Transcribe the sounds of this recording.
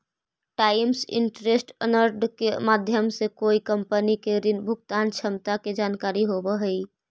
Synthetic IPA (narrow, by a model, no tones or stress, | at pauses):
ʈaːɪmsɪ̰ɳʈɾesʈənəɾɖkemaːd̪ʱjəmsekoːikəmpənikeɾɪnbʱʊkt̪aːnt͡ʃʰəmt̪aked͡ʒaːnkaːɾiɦobəɦəi